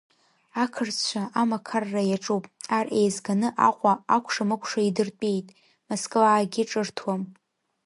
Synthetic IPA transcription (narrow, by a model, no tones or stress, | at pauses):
akʰɨrt͡sʰt͡ʃʷʰaʔamakʰarːajaʈ͡ʂʼupʼarʔe̞jzɡanɨʔaqʷʼaakʷʰʂamɨkʷʰʂaidɨrt͡pʼejtʼ | moskʼlaːɡʲɪʈ͡ʂʼɨrtʰwam